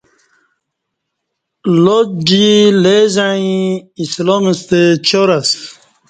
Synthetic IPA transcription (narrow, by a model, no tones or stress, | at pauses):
lod͡ʑilezaĩislomist̪et͡ɕoɾas